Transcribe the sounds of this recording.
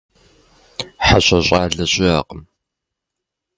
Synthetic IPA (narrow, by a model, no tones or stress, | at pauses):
ħaɕʷʼɐɕʷʼaːɮɐɕʼɪaːqʼəm